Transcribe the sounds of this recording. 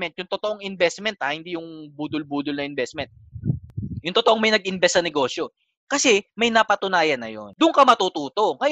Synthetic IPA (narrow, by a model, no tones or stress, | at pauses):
mɛnt̪jʊŋt̪ot̪oʔoŋʔɪnbɛst̪mɛnt̪ʔɐhɪnd̪ijʊŋbuːd̪ʊlbuːd̪ʊlnɐʔɪnbɛst̪mɛnt̪̚ | jʊŋt̪ot̪oʔoŋmɐjnɐɡ̚ʔɪnbɛst̪ːɐnɛɡo̞ːsjo̞ | kɐsɛmɐjnɐpɐt̪ʊnaːjɐnːɐ̰jo̰nd̪ʊŋkɐmɐt̪ut̪uːt̪o̞ŋɐj